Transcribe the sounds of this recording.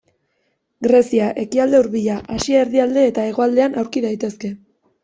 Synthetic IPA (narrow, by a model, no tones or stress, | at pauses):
ɡɾe̞siaʔe̞kiald̪e̞uɾβiʎaʔasiaːɾðiald̪e̞ːt̪ae̞ɣ̞o̞ald̪e̞anawɾkiðajt̪e̞ske̞